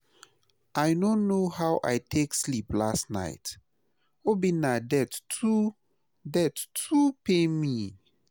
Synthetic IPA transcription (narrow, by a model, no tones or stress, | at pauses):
ʔajnõnːohawʔa̰jtʰeksliplastna̰ɪt | obinadɛtu | dɛtːʰupemi